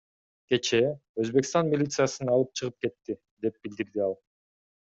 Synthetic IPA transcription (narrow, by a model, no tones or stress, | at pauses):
ke̞t͡ʃe̞øzbe̞kst̪ɑnmʲilʲit̪sɨjasɯnɑlˠɯp̚t͡ʃʰɯʁɯp̚ke̞t̪ːi | d̪e̞p̚bild̪iɾd̪iɑlˠ